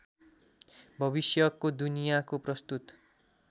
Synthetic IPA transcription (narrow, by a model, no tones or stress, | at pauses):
bʱʌβisjʌkːod̪unijakoprʌst̪ut̪